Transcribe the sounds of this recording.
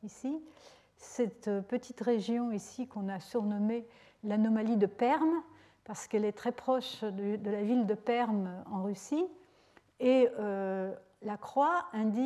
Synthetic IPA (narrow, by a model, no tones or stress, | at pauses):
isi | sɛt̪pət̪ʰit̪ʁeʒjɔ̃isikɔ̃nasyʁnɔme | lanɔmalid̪əpɛʁm | paʁsə̥kɛlɛt̪χɛpχɔʃd̪yd̪əlavild̪əpɛʁmɑ̃ʁysi | eø | lakχwaɛ̃d̪i